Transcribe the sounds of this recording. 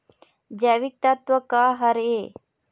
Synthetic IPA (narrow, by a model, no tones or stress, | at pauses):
d͡ʒaʋik̚t̪at̪ʋɐkaːɦɐɾeː